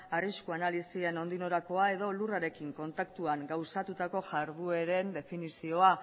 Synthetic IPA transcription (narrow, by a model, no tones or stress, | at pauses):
ariskuanalisie̞no̞nd̪ino̞ɾako̞ae̞ðo̞luraɾe̞kiŋko̞nt̪akt̪uaŋɡawsat̪ut̪ako̞ʝaɾðue̞ɾe̞nd̪e̞finisio̞a